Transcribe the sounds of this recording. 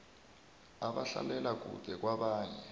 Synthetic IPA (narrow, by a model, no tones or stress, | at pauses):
aβaɬa̰lɛlak̬ṵd̥ʱɛk̬waβaːɲɛ